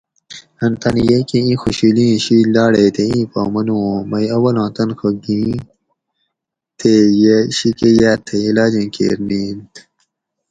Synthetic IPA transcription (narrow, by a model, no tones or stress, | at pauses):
ɐnt̪ɐnjekiĩːxuɕiːlĩːɕiːlaːɽeːt̪ʰeĩːpa̰ːmɐnũːmɐjɐwɐlɑ̃ːt̪ɐnxɐɡĩː | t̪ʰejeɕikejaːt̪ʰeilaːd͡ʑĩːkḛːɾniːnt̪